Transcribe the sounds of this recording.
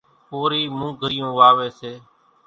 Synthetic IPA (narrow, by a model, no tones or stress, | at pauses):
poːɾiːmũːɡʱəɾɪjũːʋaːʋeːseː